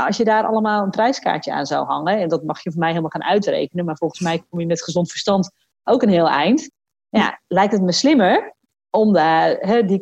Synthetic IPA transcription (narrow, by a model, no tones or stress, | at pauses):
ɔsjədaːɾʔɑ̰lˠəmaːlˠəntrɛjska̰ːɹtjəa̰ːnza̰whɑ̰ŋəɛndɔtmɑxjəvəmɛjɦɪːlˠmalˠxaːnʔœɥtrḛːkənənmaɹvolˠχənsmɛjk̚omjəmɛtχəzɔntfə̥rstɑnt | ʔowkənɦɪːlˠɛ̰jnt | ja̰lɛjk̚tətmɛslɪməɹ | ɔmdaɦɛdi